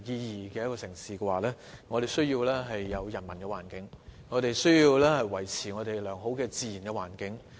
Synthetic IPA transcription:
jiː˧jiː˨˩kɛː˧jɐ˥kɔ˧sɪ˨˩ŋsiː˨kɛ˧waː˨lɛː˥ | ŋɔː˨˧t̪e˨˩jsɵ˥ɥjiː˧wlɛː˥ɦɐ˨jːɐ˨˧wjɐ˨˩nmɐ˨˩nkɛː˧wa̰ː˨˩nkɪ˨˥ŋŋɔː˨˧t̪e˨jsɵ˥ɥjiː˧wlɛː˥hɐ˨jwɐ˨˩jt͡sʰiː˨˩ŋɔː˨˧t̪e˨jlœː˨˩ŋɦo˨˥wkɛː˧t͡siː˨˧jiː˨˩nkɛ˧wa̰ː˨˩nkɪ˨˥ŋ

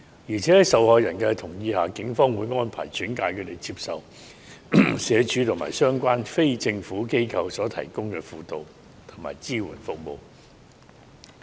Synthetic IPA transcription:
jiː˨˩t͡sʰɛ˨˥hɐ˨˥jsɐ˨whɔː˨˧jɐ˨˩nkɛ˧t̪ʰʊ˨˩ŋjiː˧haː˨˧kɪ˨˥ŋfɔː˥ŋwuː˨˧jŋɔː˥npʰa̰ː˨˩jt͡ʃyː˨˥nkaː˧jkʰɵ˨˧˥t̪e˨˩jt͡siː˧p̚sɐ˨w | sɛː˨˧t͡ʃyː˨˥t̪ʰʊ˨˩ma̰ː˨˩jsœː˥ŋkʷaː˥nfe˥jt͡sɪ˧ŋfuː˨˥ke˥jkʰɐ˧wsɔː˨˥t̪ʰɐ̰˨˩jkʊ˥ŋkɛː˧fuː˨˧t̪o˨˧w | t̪ʰʊ˨˩ŋma̰ː˨˩jt͡siː˥wṵ˨˩nfʊ˨k̚mo˨˧w

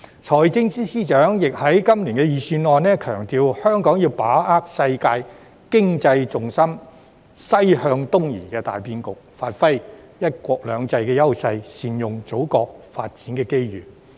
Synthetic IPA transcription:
t͡sʰɔː˨˩jt͡sɪ˥ŋsiː˥siː˥t͡ʃœː˨˥ŋjɪ˨k̚hɐ˨˥jkɐ˥mliː˨˩nkɛ˧jiː˨syː˧nlɔː˨˧nnɛː˥kʰœː˨˩ŋt̪iː˨˧whœː˥ŋkɔː˨˥ŋjiː˧wpaː˨˥aː˥k̚sɐ˧jkaː˧j | kɪ˥ŋt͡sɐ˧jt͡sʊ˨ŋsɐ˥m | sɐ˥jhœː˧ŋt̪ʊ˥ŋjḭː˨˩kɛː˧t̪a̰ː˨jpiː˥nkʊ˨k̚faː˧t̚fɐ˥jjɐ˥t̚kʷwɔː˧k̚lœː˨˧ŋt͡sɐ˧jkɛː˧jɐ˥wsɐ˧jsiː˨˩njʊ˨˩ŋt͡so˨˥wkɔː˧k̚fa̰ː˧t̚t͡siː˨˥nkɛː˧ke˥jjyː˨˩

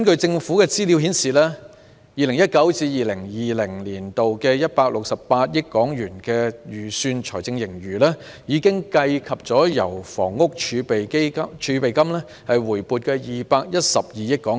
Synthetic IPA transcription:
nkɵ˧t͡sɪ˧ŋfuː˨˥kɛː˧t͡siː˥li˨˧wɦi˨˥nsiː˨lɛː˥ | jiː˨lɪ˨˩ŋjɐ˥t̚kɐ˨˥wt͡siː˧˥jiː˨lɪ˨˩ŋjiː˨lɪ˨˩ŋliː˨˩nt̪o˨wkɛː˧jɐ˥t̚paː˧k̚lʊ˨k̚sɐ˨ppaː˧t̚jɪ˥kːɔː˨˥ŋjyː˨˩nkɛː˧jyː˨˩syː˧nt͡ʃʰɔː˨˩jt͡sɪ˧ŋjɪ˨˩ŋjyː˨˩lɛː˥ | jiː˨˧kɪ˥ŋkɐ˧jkʰɐ˨p̚t͡sɔː˨˥jɐ̰˨˩wfɔ̰ː˨˩ŋːʊ˥k̚t͡ʃʰyː˨˧pe˨ke˥ɐ˥t͡ʃʰyː˨˧pe˨jkɐ˥mlɛː˥ | hɐ˨jwuː˨˩jpuː˨t̚kɛː˧jiː˨paː˧k̚jɐ˥t̚sɐ˨p̚jiː˨jɪ˥kːɔː˨˥ŋ

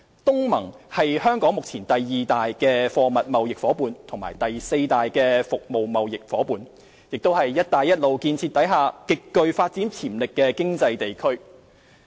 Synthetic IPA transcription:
t̪ʊ˥ŋmɐ˨˩ŋhɐ˨jhœː˥ŋkɔː˨˥ŋmʊ˨k̚t͡sʰiː˨˩nt̪ɐ˨jːiː˨t̪aː˨jkɛː˧fɔː˧mɐ˨t̚mɐ˨wjɪ˨k̚fɔː˨˥puː˨˧nt̪ʰʊ˨˩ŋmaː˨˩jt̪ɐ˨jse˧jt̪aː˨jkɛː˧fʊ˨k̚mo˨wmɐ˨wjɪ˨k̚fɔː˨˥puː˨n | jɪ˨k̚t̪o˥whɐ˨jːɐ˥t̚t̪aː˨jːɐ˥t̚lo˨wkiː˧nt͡sʰi˧t̪ːɐ˨˥jɦaː˨kɪ˨kːɵ˧ɥfaː˧t̚t͡siː˨˥nt͡sʰiː˨˩mlɪ˨kːɛː˧kɪ˥ŋt͡sɐ˧jt̪e˨jkʰɵ˥ɥ

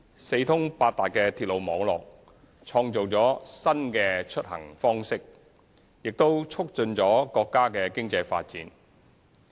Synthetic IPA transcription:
se˧jt̪ʰʊ˥ŋpaː˧t̚t̪aː˨˩kɛː˧t̪ʰi˧lo˨wmɔː˨˥ŋlɔ̰ː˨k̚ | t͡ʃʰɔː˧ŋt͡so˨wt͡sɔː˨˥sɐ˥nkɛː˧t͡ʃʰɵ˥t̚hɐ̰˨˩ŋfɔː˥ŋsɪ˥k̚ | jɪ˨k̚t̪o˥wt͡sʰʊ˥k̚t͡ʃɵ˧nt͡ʃɔː˨˥kɔː˧kːaː˥kɛː˧kɪ˥ŋt͡sɐ˧jfa̰ː˧t̚t͡siː˨˥n

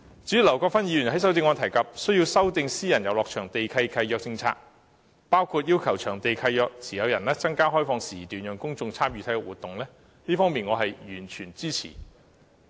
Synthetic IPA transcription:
t͡sy˨˥y˨lɐ˨˩wkɔː˧kfɐ˥njiː˧y˨˩nhɐ˨˥jsɐ˨˥wt̪̬ɪ˧ŋɔː˨˧t̪ʰɐ˨˩jkɐ˨p̚sɵ˥ɥji˧wsɐ˥wt̪ɪ˧ŋsiː˥jɐ˨˩njɐ˨wlɔː˨k̚t͡ʃʰœː˨˩ŋt̪e˨jkʰɐ˧jkʰɐ˧jjœː˧k̚t͡sɪ˧ŋt͡sʰa̰ː˧k̚ | paː˥wkʰuː˧t̚jiː˥wkʰɐ˨˩wt͡ʃʰœː˨˩ŋt̪e˨jkʰɐ˧jœː˧k̚t͡sʰiː˨˩jɐ˨˧wjɐ˨˩nlɛː˥t͡sɐ˥ŋkaː˥ɦɔː˥jfɔː˧ŋsiː˨˩t̪yː˨njœː˨˩ŋkʊ˥ŋt͡sʊ˧ŋt͡sʰaː˥mjyː˧t̪ʰɐ˨˥jkɛ˧wuː˨˩t̪ːʊ˨ŋlɛː˥ | liː˥fɔː˥miː˨nŋɔː˨˧ɦɐ˨jjyː˨˩nt͡ʃʰyː˨˩nt͡siː˥t͡sʰḭː˨˩

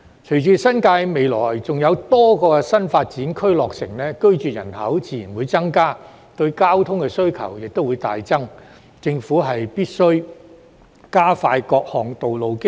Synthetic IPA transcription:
t͡ʃʰɵ˨˩ɥt͡syː˨˧sɐ˥nkaː˧jme˨˧jlɔ̰ː˨˩jt͡sʊ˨ŋjɐ˨˧wt̪ɔː˥kɔː˧kɛ˧sɐ˥nfaː˧t̚t͡siː˨˥nkʰɵ˥ɥlɔː˨k̚sɪ̰˨˩ŋlɛː˥kɵ˥ɥt͡ʃyː˨jɐ̰˨˩nhɐ̰˨˥wt͡siː˨˩jiː˨˩nwuː˨˧jt͡sɐ˥ŋkaː˥ | t̪ɵ˧ɥkaː˥wt̪ʰʊ˥ŋkɛ˧sɵ˥ɥkʰɐ̰˨˩wjɪ˨k̚t̪o˥wuː˨˧jt̪a̰ː˨jt͡sɐ˥ŋ | t͡sɪ˧ŋfuː˨˥ɦɐ˨jpiː˥t̚sɵ˥ɥ | kaː˥faː˧jkɔː˧k̚hɔː˨ŋt̪o˨wlo˨wkɪ˥

